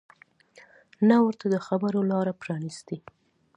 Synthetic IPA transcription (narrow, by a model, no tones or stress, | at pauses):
nawəɾt̪ad̪əxabəɾolɑɾapɾɑnist̪i